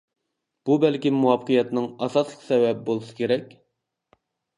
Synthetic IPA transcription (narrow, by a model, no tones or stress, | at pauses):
b̥ubɛlkʲimuwɑfqʰɨjɛt̪nɨŋɑsɑslˠəqsɛvɛbbolˠɨsɨ̥kʲʰeɾɛkʲ